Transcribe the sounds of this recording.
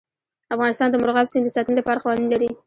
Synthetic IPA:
afɣɑnɪst̪ɑnd̪əmʊɾɣɑpsɪnd̪əsɑt̪ənlapɑɾaqɑwɑninlaɾi

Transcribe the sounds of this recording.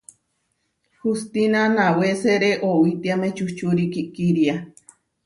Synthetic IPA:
hust̪inanaweseɾeʔowit̪iamet͡ʃut͡ʃuɾikiʔkiɾia

